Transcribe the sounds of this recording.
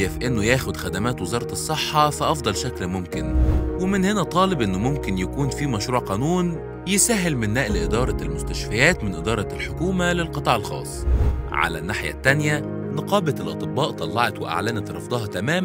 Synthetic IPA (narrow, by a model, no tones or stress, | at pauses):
efʔenːʊjæːxod̪xæd̪æmæːt̪wezɑːɾˤɑt̪sˤːeħːɑfæʔɑfd̪ˤɑlʃæklmomkɪnwemɪnhenæt̪ˤɑːlebʔenːomomkɪnjækuːnfiːmæʃɾuːʕqɑːnuːn | jɪsæɦelmɪnːæːʔlʔɪd̪ɑːɾˤɑlmʊst̪æʃfæjæːt̪mɪnʔed̪ɑːɾˤɑlħokuːmælelqɨt̪ˤɑːʕelxɑ̰ːsˤʕa̰læ̰nːaħjæ̰t̪ːænjæ | nɑqɑːbæt̪elʔɑt̪ˤebːɑːʔt̪ˤɑlːɑʕɑt̪weʔa̰ʕlænæt̪ɾˤɑ̰fd̪ˤɑɦɑt̪æmæːm